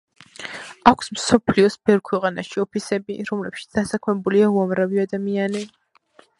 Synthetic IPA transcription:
akʷʰsmsɔpʰliɔsbʰɛɾkʰwɛqʼanaʃiɔpʰisɛbḭɾɔmlɛpʃit̪sd̪̥asakʰmɛbuliauamɾaviad̪amiani

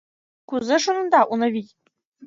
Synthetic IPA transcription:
kuzɘʂunɤ̆nd̪ɑʔunɤ̆βʲitʲ

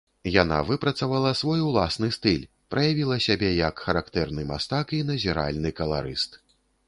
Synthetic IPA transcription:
jana̰vɨpɾɐt̪sɐvalˠɐsvɔjwlˠasnɨst̪ɨlʲ | pɾɐjavʲilˠɐsʲabʲɛjɐkxɐɾakt̪ɛrnɨma̰st̪akinɐzʲiɾa̰lʲnɨkɐlˠa̰ɾɨst̪

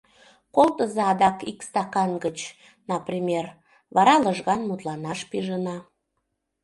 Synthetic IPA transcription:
kolt̪əzɑɑd̪ɑkikst̪ɑkɑnɡət͡ɕ | nɑprʲimʲer | βɑɾɑləʒɣɑnmut̪lɑnɑʃpiʒənɑ

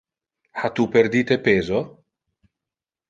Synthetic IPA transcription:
hat̪uperd̪iːt̪epeːzo

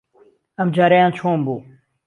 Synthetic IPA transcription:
ɐmd͡ʒaːɾejãːnt͡ʃʰõːmboː

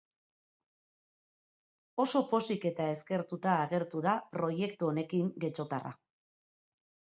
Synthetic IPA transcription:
o̞so̞po̞sike̞t̪ae̞ske̞ɾt̪ut̪aːɣe̞ɾt̪uðapɾo̞je̞kt̪uone̞kiŋɡe̞t͡ʃo̞t̪a̰ra̰

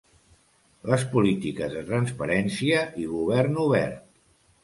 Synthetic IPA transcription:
ləspulit̪ikəzðət̪ɾənspəɾɛnsiəʔiɣuβ̞ɛrnuβɛ̰rt̪

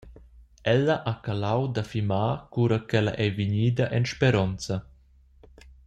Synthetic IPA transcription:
ɛlːɐʔakalawd̪afimaːkuɾakɛla̰ʔɛviɲiːd̪ɐʔɛnʃpɛɾɔnt͡sɐ

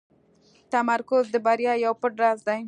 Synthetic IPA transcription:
t̪amaɾkʊzd̪əbaɾjɑjawpəʈɾazd̪aj

